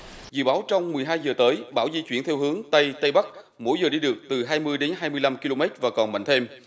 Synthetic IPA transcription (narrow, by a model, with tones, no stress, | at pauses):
zɨ̰˧˨ɓaː˨˦wt͡ɕɔ˧wŋ͡mmɨ˨˩əjɦaː˧jzəː˨˩t̪əː˨˦jɓaː˧˩wzi˧t͡ɕwi˧˩ənt̪ʰɛ˧wɦɨ˨˦əŋt̪ə˧jt̪ə˧jɓa˦˥k̚ | mo̰˧˥jzəː˨˩ɗi˧ɗɨ˨˩ək̚t̪ɨ˨˩ɦaː˧jmɨ˧əjɗe˨˦nɦaː˧jmɨ˧əjla˧mki˧lo˧mɛ˦˥t̚vaː˨˩kɔ˨˩nma̰˧˨ŋt̪ʰe˧m